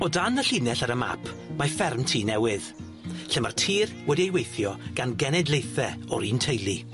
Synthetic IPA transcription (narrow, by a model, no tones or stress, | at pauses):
ɔdanəɬinɛɬaɾəma̰pʰmafɛrmtʰiːnɛwɪð | ɬɪmartʰiːrwɛdiejwejθjɔɡ̥anɡɛnɛdlˠejθɛɔɾiːntʰejlˠi